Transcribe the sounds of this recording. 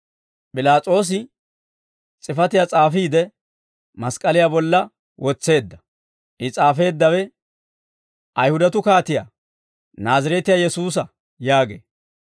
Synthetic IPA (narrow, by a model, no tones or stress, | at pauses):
pʼɪlaːt͡sʼo̞ːs̬ɪ | t͡sʼɪfɐt̪ɪjat͡sʼaːfiːd̪ɛ | mɐskʼɐlɪjaːbɔlːɐ | wʔɔt͡sːe̞ːd̪ːɐ | ʔɪt͡sʼaːfe̞ːd̪ːɐwɛ | ʔɐjhʊd̪ɐt̪ʊkaːt̪ɪja̰ː | naːzɐɾɛt̪ɪjaːjɛsuːs̬ɐ | jaːɡḛː